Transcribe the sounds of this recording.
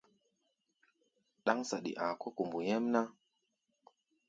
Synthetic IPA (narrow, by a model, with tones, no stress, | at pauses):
ɗa˦ŋsa˨ɗḭ˨ʔa˨ko˦ku˨mbu˨je˦mna˦